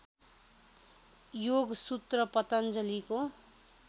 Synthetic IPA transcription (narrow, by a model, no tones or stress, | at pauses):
joɡsut̪rʌpʌt̪ʌnd͡zʌliko